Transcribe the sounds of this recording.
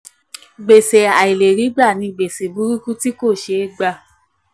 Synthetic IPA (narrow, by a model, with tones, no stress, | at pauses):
ɡ͡be˨se˨a˨i˨le˨ɾi˨˦ɡ͡bɾa˦˨nĩ˧ɡ͡be˨se˨bu˨˦ɾu˦ku˦ti˦ko˦˨ʃe˧˦ɡ͡ba˧˨